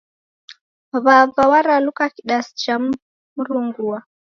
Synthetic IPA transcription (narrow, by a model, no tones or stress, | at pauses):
βavawaɾalukakiɗasi̥t͡ʃam | muɾuŋɡua